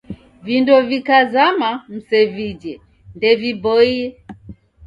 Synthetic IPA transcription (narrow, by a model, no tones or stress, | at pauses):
vindɔvikazamam̩sɛvid͡ʒɛ | ndɛvibɔjɛ